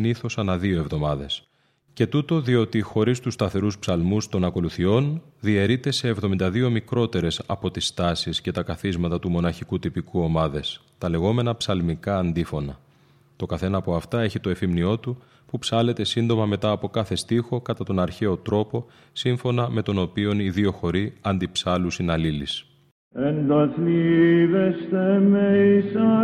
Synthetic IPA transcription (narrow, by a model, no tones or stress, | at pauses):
niθo̞sɐnɐðio̞e̞vðo̞mɐðe̞s | ce̞t̪ut̪o̞ðio̞t̪ixo̞ɾist̪ust̪ɐθe̞ɾuspsɐlmust̪o̞nɐko̞luθio̞nðie̞ɾit̪e̞se̞ːvðo̞mind̪ɐðio̞mikɾo̞t̪e̞ɾe̞sɐpo̞t̪ist̪ɐsisce̞t̪ɐkɐθizmɐt̪ɐt̪umo̞nɐçikut̪ipikuo̞mɐðe̞s | t̪ɐle̞ɣo̞me̞nɐpsɐlmikɐːnd̪ifo̞nɐ | t̪o̞kɐθe̞nɐːpoɐft̪ɐe̞çit̪o̞e̞fimnio̞t̪u | pupsɐle̞t̪e̞sind̪o̞mɐme̞t̪ɐːpo̞kɐθe̞st̪ixo̞kɐt̪ɐt̪o̞nɐɾçe̞o̞t̪ɾo̞po̞ | siɱfo̞nɐme̞t̪o̞no̞pio̞niðio̞xo̞ɾiɐnd̪ipsɐlusinɐlilis | end̪ɐθliðest̪emeisɐ